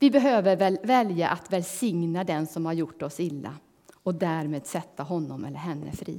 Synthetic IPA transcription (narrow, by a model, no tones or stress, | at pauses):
vɪbɛɦøːvəɾvɛvɛljaʔat̪vɛlsɪŋnad̪ɛnsɔmhaɾjʊʈːɔsɪlːa̰ | ɔd̪æːɾmeːd̪sɛt̪ʰːaɦɔnːɔmɛ̰lːəɾɦɛnːə̰fɾḭː